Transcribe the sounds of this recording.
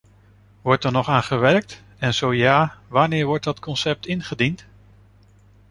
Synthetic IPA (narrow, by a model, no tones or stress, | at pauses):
ʋɔɹtɛɹnɔχaːnχəʋɛɹk̚t | ɛnz̥owjaːʋaːɹnɪːɹʋɔɹt̚dɑtkɔnsɛp̚tɪnχədint